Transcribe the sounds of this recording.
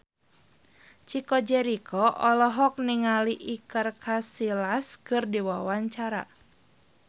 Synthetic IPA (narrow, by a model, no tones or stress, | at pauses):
t͡ʃikɔd͡ʒɛɾikʰɔʔɔlɔɦɔk̚niŋaliʔikərkʰasilaskɨrdiwawaɲt͡ʃaɾa̰